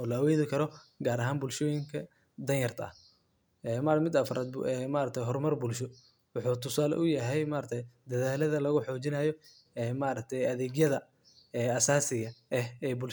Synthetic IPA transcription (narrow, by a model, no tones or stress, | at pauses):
ɔːlɐɐwɔːðɪkʰɐɾɔɡaːɾɐɦaːnbʊːlʃɔːjɪŋkʰɐ | d̪ɐnjɐrt̪ʰɐ̰ɐ̰h | ɛːmamɪd̪ɐfɾʔaːd̪̚bɛmaːɾɐk̚t̪ʰɛjɦɔrmɐrbuːlʃɔ | wʊħuːt̪ʰʊsaːlɛ̰ʔʊjɐɦɛjmaːɾɐkt̪ʰɛjd̪ɐðaːlɐðɐlɐɣʊħɔːt͡ʃɪnɐjɔ | ɛːmaːɾɐk̚t̪ʰɛjɐðɛːɡjɐðɐ | ɛːɐsaːsɪɣɐɛhɛːbʊːl